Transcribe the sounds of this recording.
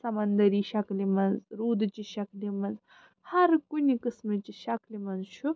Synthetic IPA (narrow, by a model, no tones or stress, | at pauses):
sɐmɐnd̪ɐɾiʃɐklimɐnzɾuːd̪t͡ʃiʃɐklimɐnz | hɐɾkunikɨsmɨt͡ʃiʃɐklimɐnzʃʰu